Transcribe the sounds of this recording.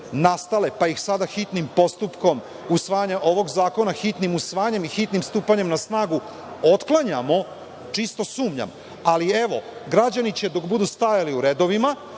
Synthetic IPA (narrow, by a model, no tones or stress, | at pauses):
nast̪ale̞paixsad̪axit̪nimpo̞st̪upko̞m | usʋaːjaɲaʔo̞ʋo̞ɡzaːko̞naxit̪nimusʋaːɲe̞mixit̪nimst̪uːpaɲe̞mnasnaːɡu | ot̪klˠaɲamo̞ | t͡ʂist̪o̞suːmɲa̰m | alie̞ʋo̞ɡɾad͡ʑanit͡ɕe̞d̪o̞kbud̪ust̪ajaliuɾed̪o̞ʋima